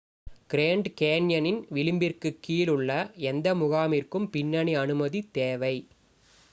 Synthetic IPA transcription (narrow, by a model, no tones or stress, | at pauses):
kɪɾeːɳɖkeːnjɐnɪnʋɪlɪmbɪrkɯkːiːlɯɭːɐɛnd̪ɐmʊɣaːmɪrkɯmpɪnːɐɳiɐnɯmɐðit̪eːʋɐɪ